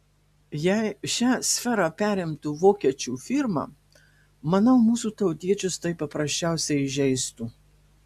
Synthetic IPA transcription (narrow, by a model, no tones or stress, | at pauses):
jæɪʃʲæːsʲfʲɛɾɑpʲæːɾʲɪmt̪uːʋoːkʲiɛt͡ʃʲuːfʲɪɾmɑ̰ | mɐnɐʊmuːsuːt̪ɐʊt̪ʲiɛt͡ʃʲʊst̪ɐɪpɐpɾɐsʲt͡ʃʲæˑʊsʲɛɪɪʒʲɛɪst̪uː